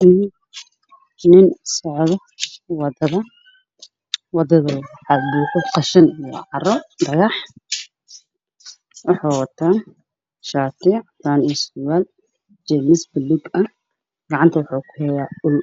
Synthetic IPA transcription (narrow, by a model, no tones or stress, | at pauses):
nɪnsɔʕðɔ | wɑd̪ɐðɐ | wɑd̪ɐðɐħɑbukʰʊqɑʃɐnɑ̰ʕɑɾɔd̪ɐɣɑħ | wʊħaːwɐt̪ʰaː | ʃaːt̪iʕt̪aːnɛsʊwaːl | d͡ʒɛnɪsbɪlʊɡɐ | ɡ̥ɑʕant̪ʰɐwʊħuːkʰʊhɛjaːʊl